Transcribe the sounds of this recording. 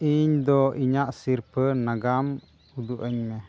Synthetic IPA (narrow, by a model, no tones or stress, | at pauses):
ʔiɲd̪ɔiɲaʔsiɾpənaɡam | ud̪uʔəɲmɛ